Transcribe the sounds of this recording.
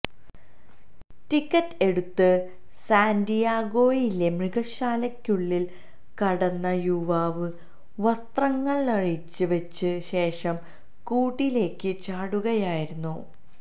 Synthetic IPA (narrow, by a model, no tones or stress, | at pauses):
tikːɐtːe̞ɽut̪ːɨ | saːndijaːɡo̞ːjile̞mriɡɐɕaːlɐkʲːuɭːil | kɐɽɐnːɐjuʋaːʋɨ | ʋɐst̪rɐŋːɐɭnɐɻit͡ɕːɨʋɐt͡ɕːɨɕe̞ːʂɐm | kuːʈːile̞ːkːɨt͡ɕaːɽuɣɐjaːjiɾunːu